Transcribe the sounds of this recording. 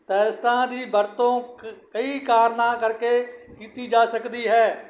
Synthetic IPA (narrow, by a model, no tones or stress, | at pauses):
t̪ɛːsʈãd̪iːbəɾt̪õkəikaːɾnãkəɾkekiːt̪id͡ʒaːsəkd̪iɦɛː